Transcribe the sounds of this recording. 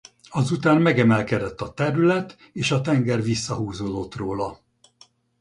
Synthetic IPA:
ɒzut̪aːmmɛɡɛmɛlkɛd̪ɛt̪ːɒt̪ɛɾylɛt̪ | eːʃɒt̪ɛŋɡɛrʋisːɒɦuːzoːd̪o̞t̪roːlɒ

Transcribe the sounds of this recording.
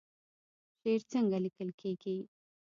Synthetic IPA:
ʂeːɾt͡səŋɡalikəlkʰeːɡi

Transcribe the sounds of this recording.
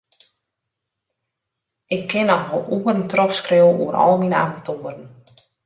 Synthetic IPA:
ʔɪkʰːɪnɔxʋɔlˠʔuərn̩trɔpskrewṵəɾɔ̰lˠminəa̰matʰoːərən̩

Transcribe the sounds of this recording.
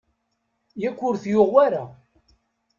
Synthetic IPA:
jækʷːʊɾθjʊʁwæɾa

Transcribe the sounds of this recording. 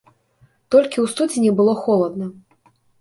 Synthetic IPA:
t̪ɔlʲkʲiwst̪ud͡zʲinʲɛbɨlˠɔxɔlˠɐd̪nɐ

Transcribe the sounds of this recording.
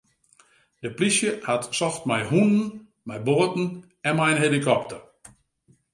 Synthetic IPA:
d̥əplisjəhatsɔftmajhunən̩ | mɛjboətn̩ | ɛnmɛjənɦelikɔp̚tər

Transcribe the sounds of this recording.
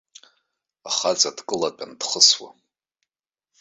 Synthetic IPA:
aχat͡sʼadkʼɨlatʼandχəswa̰

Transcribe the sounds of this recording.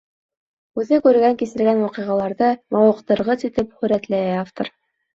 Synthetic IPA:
ʉðɘkʉɾɡæŋkisɘ̆ɾɡænwɑqɤ̆ʁɑlˠɑɾðɤmɑwɤ̆qt̪ɤ̆ɾʁɤsit̪ɘpχɵ̆ɾæt̪læjæaft̪oɾ

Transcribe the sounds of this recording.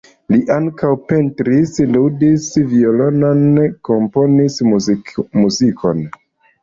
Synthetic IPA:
liʔaŋkawpe̞ntɾisludisvio̞lo̞no̞nko̞mpo̞nis | muzikʰo̞̰n

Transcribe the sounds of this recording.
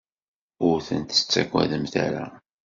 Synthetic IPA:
ʊɾθənt̪ə̥t͡sːækʷːæ̰ðəmθæɾæ

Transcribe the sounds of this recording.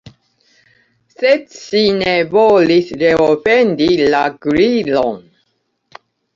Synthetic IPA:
sed̪ʃinevolisɾeofend̪ilaɡɾilon

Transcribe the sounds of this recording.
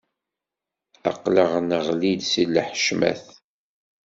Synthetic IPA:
ɑ̰qːləʁnəʁlid̪silːħʃmæ̰θ

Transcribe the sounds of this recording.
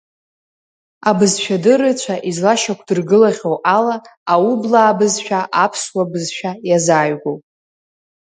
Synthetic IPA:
abɨzʃᶣadɨɾɨt͡ɕʷʰaʔizlaʃakʷʰdɨrɡɨlaʁʲowʔalaːublaːbɨzʃᶣaʔapʰswabɨzʃᶣajazaːɥɡʷowpʼ

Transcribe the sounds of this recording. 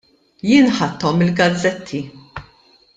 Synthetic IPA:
jɪːnħɐt̪ːɔmːɪlɡɐd͡zɛt̪ʰːi

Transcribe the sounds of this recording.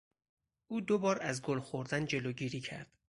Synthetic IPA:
ʔuːd̪obɒːɾæzɡolxoɾd̪ænd͡ʒe̞loːɟiːɾiːcʰæ̰ɾd̪̥

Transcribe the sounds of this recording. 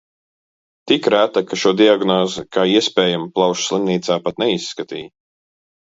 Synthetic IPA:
t̪ikɾæt̪akaʃuɔd̪iaɡnɔːzɨkaːiɛspɛːjamplˠɑwʃslˠimniːt̪saːpat̪̚nɛisːkat̪ḭːj

